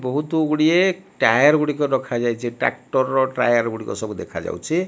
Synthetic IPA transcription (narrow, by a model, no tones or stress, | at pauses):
bɔɦut̪uɡuɽieʈajaɾɡuɽikɔdɔkʰad͡ʒajt͡ʃʰiʈa̰k̚ʈɔɾɔʈɾa̰jaɾɡuɽikɔ̰sɔbud̪ḛkʰad͡ʒa̰wt͡ʃʰi